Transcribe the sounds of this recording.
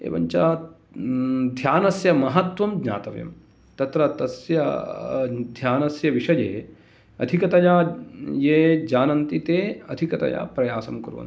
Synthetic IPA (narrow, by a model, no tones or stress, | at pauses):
ḛːʋɐ̰ɲt͡ʃaː | d̪ʱjaːnɐsjɐmɐɦɐt̪ʋɐmɡɲa̰ːt̪ɐʋɐjɐ̰m | t̪ɐt̪ɾɐt̪ɐsjɐ | d̪ʱjaːnɐsjɐʋiʂɐjḛː | ɐ̰d̪ʱikɐt̪ɐjaːjeːd͡ʒaːnɐnt̪it̪eːɐd̪ʱikɐt̪ɐ̰ja̰ːpɾɐjaːsɐmkɐɾuʋɐ̰n